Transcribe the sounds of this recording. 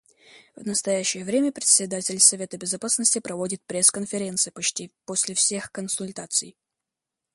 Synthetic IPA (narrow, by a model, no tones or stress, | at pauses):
vnəst̪ɐjæɕːɪjəvɾʲemʲəpɾʲɪt̪sʲɪd̪atʲɪlʲsɐvʲe̞t̪əbʲɪzɐpasnəsʲtʲɪpɾɐvo̞dʲɪt̪̚pɾʲe̞skənfʲɪɾʲe̞nt̪sɨjəpɐt͡ɕtʲiposʲlʲɪfsʲexkənsʊlʲt̪at̪sɨ̰j